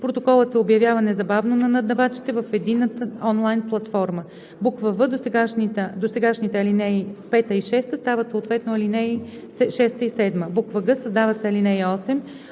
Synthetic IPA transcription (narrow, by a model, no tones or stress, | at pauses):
pɾot̪okɔlˠət̪sɛobjɐvʲjavənɛzɐbavnonɐnɐd̪ɐvat͡ʃi̥t̪ɛvəfɛd̪inət̪əɔnlˠajnplˠɐt̪fɔɾmə | bukvəvɤd̪osɛɡaʃnit̪əd̪osɛɡaʃnit̪ɛɐlinɛipɛt̪əiʃɛst̪əst̪avət̪soːt̪vɛt̪noɐlinɛ | sɛʃɛst̪əisɛd̪məbukvəɡɤsɐzd̪avəsɛɐlinɛjɔsɛm